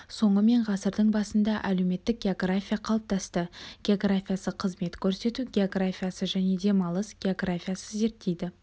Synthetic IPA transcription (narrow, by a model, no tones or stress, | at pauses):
so̞ɴəme̞ɴʁɑsəɾd̪əɴbɑsənd̪ɑʔælewme̞t̪ːɪk̚ɡʲe̞o̞ɡrafʲijaqʰɑlˠəp̚t̪ɑst̪əɡ̥ʲeoɡrafʲijasəqʰəzme̞t̪kʲʰɵɾse̞t̪uɡʲe̞o̞ɡrafʲijasəʒæne̞d̪e̞mɑlˠəsɡʲe̞o̞ɡrafʲijasəze̞ɾt̪ʰːejd̪ɪ